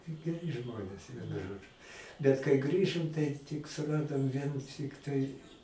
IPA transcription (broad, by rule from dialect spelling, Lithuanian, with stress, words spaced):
ɡʲɛˈrʲɪ ˈʒmoːnʲeːs ˈʋʲiɛnʊ ˈʒoːd͡ʒʊ bʲɛt kɐɪ ˈɡrʲiːʒoːm tɐɪ tʲɪk sʊˈrɑːdoːm ˈʋʲiɛn ˈtʲɪktɐɪ